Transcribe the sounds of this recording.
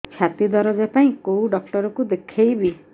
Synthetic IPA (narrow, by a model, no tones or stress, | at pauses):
kʰjat̪id̪ɔɾɔd͡ʒepaĩkowɖɔk̚ʈɔɾɔkud̪ekʰejbi